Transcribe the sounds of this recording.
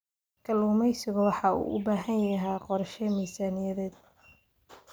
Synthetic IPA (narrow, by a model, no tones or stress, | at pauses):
kʰɐluːmɛjsɪɣʊwɑħɑːṵːʔʊ̰baːɦɐnjjɐɦɛjqɔɾʃɛmiːsaːnɪjɐðɛːd̪̚